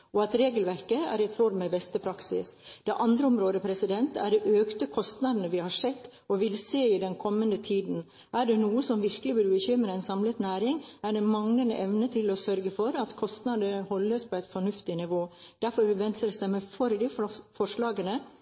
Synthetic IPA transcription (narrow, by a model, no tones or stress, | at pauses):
ɔɑt̪ɾeːɡəlʋæɾkəæ̰ːɾɛt̪ʰɾoːd̪mɛbɛst̪əpʰɾɑksɪ̰sd̪̥ɛʔɑnd̪ɾəʊmɾoːd̪əpʰɾɛsɪd̪ɛnt̪æ̰ɖɛʔøːkt̪əkʰɔst̪nɑd̪nəʋɪhɑʂɛt̪ː | ɔʋɪlseːɪd̪ɛnkʰɔmːənd̪ət̪ʰiːd̪n̩ | ʔæɖɛnuːəsɔmʋɪɾkəlɪbyɾbəçʏmɾəæɪnsɑmlət̪næːɾɪŋæɖɛmɑŋnənəʔɛʋnət̪ʰɪlɔsœɾɡəfɔɾɑt̪kʰɔst̪nɑd̪əhɔlːəspʰɔæɪt̪fɔɳʉft̪ɪnɪʋoːd̪̥æɾfɔɾʋɛnt̪səɾsɛɪmɛfɔɾd̪ɪfɔʂlɑːɡənə